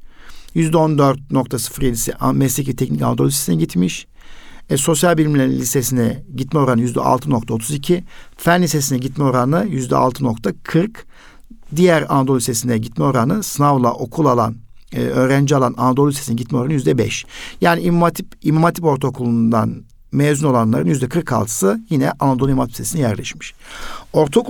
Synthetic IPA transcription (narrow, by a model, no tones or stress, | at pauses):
jyzd̪ɛo̞nd̪øɾt̪̚no̞k̚t̪ʰasɯ̥fɾilʲisɛʔmɛslʲɛcvɛt̪ʰɛcnica̰nd̪olˠʲisesinɛɟit̪miʃ | ɛso̞sjalʲbilʲimlʲæɾlʲist̪esinɛɟit̪mɛo̞ɾanɯjyzd̪ɛ̰ʔa̰lˠt̪ʰɯno̞k̚t̪ʰao̞t̪ʰuzicʰifænlʲises̬inɛɟit̪mɛo̞ɾanajyzd̪ɛ̰a̰lˠt̪ʰɯno̞kt̪ʰakʰɯɾk | d̪ijæɾa̰nad̪olˠʲisesinɛɟit̪mɛo̞ɾanɯsɯnavlˠa̰ʔo̞kʰulˠalˠa̰n̰ | ø̞ːɾænd͡ʒialˠananad̪olˠlʲise̞sinɛɟit̪̚mɛolˠɾanjyzd̪ɛbɛ̰ʃjaːniimat̪ʰipimamat̪ʰipo̞ɾt̪ʰo̞kʰolˠund̪a̰n | meːzyno̞lˠanlˠaɾɯnjyzd̪ɛkʰɯɾkʰa̰lˠt̪ʰɯ̥sɯjinɛʔanad̪olˠimat̪ʰipse̞sinɛjæɾlʲɛ̰ʃmiʃ | o̞ɾt̪ʰok